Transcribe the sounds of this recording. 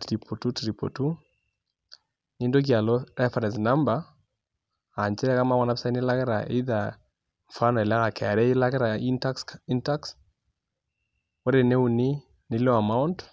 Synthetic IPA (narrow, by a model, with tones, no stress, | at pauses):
tɾi˨pɔ˨tu˦tɾi˨po̰˨tu˦ | ni˦ndo˦k̬ja˨lɔ˦ɾɛ˦fa˨ɾɛ˨sna˦mba˨ | a˨ɲt͡ʃɛ˦ɾɛ˦ka˦ma˦wɔ˨na˦psa˦i˦ne˦la˦kɛ˦ɾa̰˨ʔi˦ða˨ | ɱfa˦nɔ˨ɛ˨la˦ŋa˨kɛ˨a˨ɾɛ˦la˦kɛ˦ɾa˨ia˦ksi˦nta˦ks | wo˦ɾe˨ne˦u˨ni˦ | nɪ˨˦lo˦a˨ma˦unt